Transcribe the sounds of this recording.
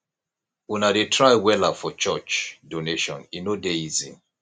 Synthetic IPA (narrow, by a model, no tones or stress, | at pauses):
unadetʰɹaɪwɛlafɔt͡ʃɔt͡ʃdoneʃɔ̰̃ninodeizḭ̃